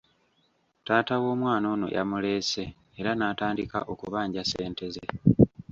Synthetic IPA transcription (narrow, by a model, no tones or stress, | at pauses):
taːtawo̞ːmwaːno̞ːno̞̰jʔa̰mule̞ːse̞ː | ɾanaːtaːndika̰ʔo̞kuβaːɲɟaseːnte̞ze